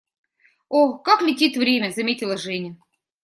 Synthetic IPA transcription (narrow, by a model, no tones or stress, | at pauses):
okaklʲɪtʲit̪vɾʲemʲəzɐmʲetʲɪlˠəʐɛnʲə